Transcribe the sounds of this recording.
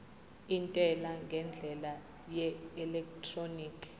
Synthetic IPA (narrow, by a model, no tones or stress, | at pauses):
intʼɛlaŋɡʱɛnd͡ɮʱɛla | jɛɛlɛk̚tʰroniːkʰ